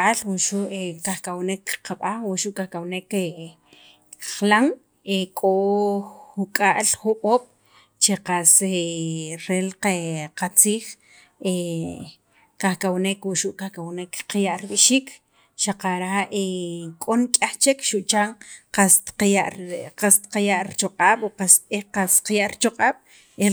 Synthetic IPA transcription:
alwuʃuʔekaχkʼawnekqaɓaχwuʔʃuʔkaχkawneke | χlaŋ | ekʼo | xukʼaʔlχuɓoːɓ̥ | t͡ʃeqaseɾeleqat͡siːχ | e | kaχkawnekwuʔʃuʔkahkawnekqajaʔɾiɓiʃiːk | ʃaqaɾaʔekʼonkʼaχt͡ʃekʃuʔt͡ʃaŋqast̪qaʔqast̪qajaʔɾt͡ʃoqʼaːɓoqaseqasqajaʔɾit͡ʃoqʼaːɓ̥ | e

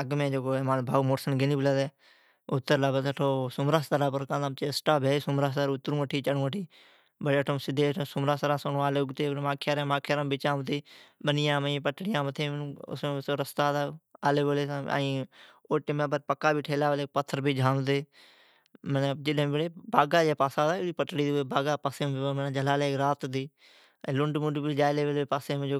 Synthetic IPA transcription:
əɡmẽːd͡ʒoːɡoːɛːmaːnbʱaːuːmoːʈsənɡɪniːbəlaːd̪ɛː | ʊt̪ːəɾlaːbət̪əʈʰoːsʊmɾaːst̪aɾaːpəɾkãːd̪ãt͡ʃeːsʈaːbeːeːsʊmɾaːs̬aɾʊt̪ːəɾũːəʈʰiːt͡ʃəɽũːəʈʰiː | bəɽeːʈʰõːsɪd̪ẽːsʊmɾaːsɾãːsonõːaːleːʊɡt̪eːɾmaːkʰːjaːɾẽːmaːkʰeɾãːbɪt͡ʃãːmət̪eːbənɪjãːməĩːpəʈːɽɪjãːmət̪ʰːẽːñːʊ̰smẽːsoːɾəst̪aːd̪aːaːleːʋoːlẽːa̰ːĩːoːʈemẽːbəɾpəkːaːbʱiːʈʰeːlaːʋəleːk̚pət̪ʰːəɾbʱiːd͡ʒʱaːmt̪eː | məned͡ʒɪɗɦẽmːbɽeːbaːɡaːd͡ʒeːpaːsaːd̪aːiːpəʈɽiːd̪ieːbaːɡaːpaːseːmẽeəmənãːd͡ʒəlaːleːkɾaːt̪d̪ĩː | lʊɳɖmʊɖbid͡ʒaːjleːʋeːlepaːseːmẽːd͡ʒoː

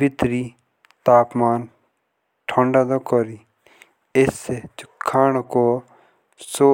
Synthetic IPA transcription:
bɪt̪ɾi | t̪aːpmaːn | ʈʰɔ̃ːɳɖad̪okɔɾi | eset͡ʃukʰːaːñko | so

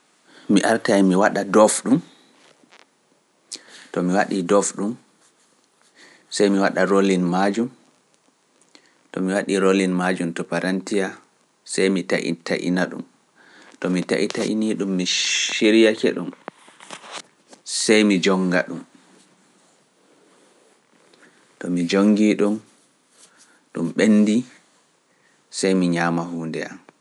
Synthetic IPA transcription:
miʔaɾtajmiwaɗadɔfɗum | tɔmiwaɗidɔfɗum | sajmiwaɗaɾolinmad͡ʒum | tɔ̰miwaɗiɾolinmad͡ʒumtɔpaɾantija | sajmita̰ʔḭta̰ʔḭnaɗṵm | tɔmita̰ʔḭtaʔḭniɗumːiʃiɾijakɛ̰ɗum | sajmid͡ʒɔŋɡa̰ɗum | tɔmid͡ʒoŋɡiɗum | ɗumɓenːdi | sajmiɲaːmaɦuːndɛam

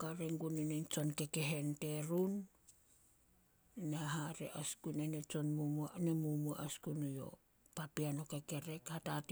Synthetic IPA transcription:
kaɾeŋɡuninent͡ʃo̞nke̞ke̞ɦe̞nte̞ɾun | neaɦaɾe̞̰ʔaskunenet͡ʃo̞nmumuanemumua̰ʔaskunujo̞̰ | papiano̞ke̞ke̞ɾe̞khatat

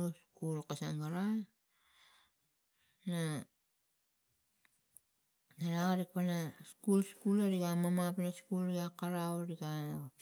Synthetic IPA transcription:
oskulkasaŋɡaɾa | na | naɾaɣaɾikpanaskulskulaɾiɡamamapnaskulɾiɡakaɾaoɾiɡa

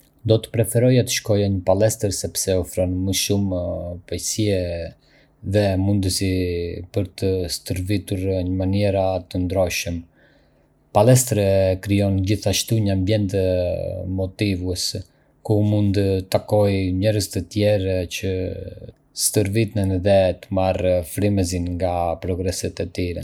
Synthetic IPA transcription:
d̪ɔt̪ə̥pɾɛfɛɾɔjat̪ə̥ʃkɔjaɲəpalɛst̪əɾsɛpsɛɔfɾɔnməʃumpajsiɛ | ðɛmund̪əsipəɾt̪əst̪əɾvit̪uɾɲəmaniɾat̪ənd̪ɾɔʃəm | palɛst̪ɾɛkɾijɔnd͡ʑiθaʃt̪uɲəambjɛnt̪ | mɔt̪ivuɛs | kumund̪t̪akɔjɲɛɾəzt̪ət̪jɛɾcə | st̪əɾvit̪nənðɛt̪əmarfɾiməz̬inŋɡapɾɔɡɾɛsɛt̪ɛt̪iɾɛ̰

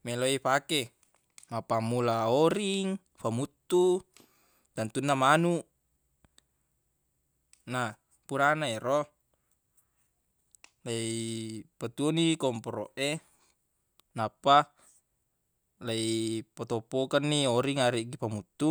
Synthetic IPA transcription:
meloipake | mapamulaoɾiŋ | pamut̪ːu | t̪ant̪unːamanuʔ | na | puɾanaeɾɔ | laipat̪uonikɔmpɔɾoʔe | napːa | laipot̪opokanːioɾiŋaɾiʔɡipamut̪ːu

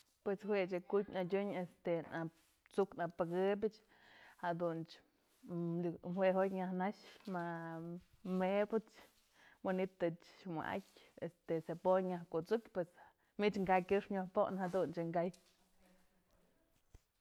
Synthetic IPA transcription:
pweshwet͡ʃɨkutʲnadʲuɲest̪ena | t͡suknapɨɡɨbʲɨt͡ʃ | had̪unt͡ʃ | mhweɦotʲɲahnaʃma | mebɨt͡ʃ | wanit̪ɨt͡ʃma̰ʔa̰kʲest̪esepojɲahkut͡sukʲpwes | mit͡ʃŋɡakʲɨʂɲahpoʔnhad̪unt͡ʃɨŋɡaj

